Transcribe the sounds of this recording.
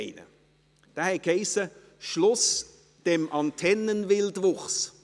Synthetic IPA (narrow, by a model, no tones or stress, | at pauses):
ɪnə̰ | d̥aːhɛkheɪsə | ʃlʊs | d̥ɛmɑntʰɛnənvɪldvʊχs